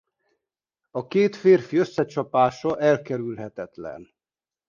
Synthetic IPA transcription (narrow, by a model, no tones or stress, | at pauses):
ɒkeːt̪feːrfiøsːɛt͡ʃɒpaːʃɒʔɛlkɛɾylɦɛt̪ɛt̪lɛ̰n